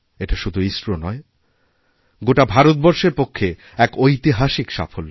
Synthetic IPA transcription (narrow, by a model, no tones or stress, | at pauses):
eʈaʃud̪ʱuisɾonɔe | ɡoʈabʱaɾot̪̚bɔɾʃeɾpokʰːe | ɛkojt̪iɦaʃikʃa̰folː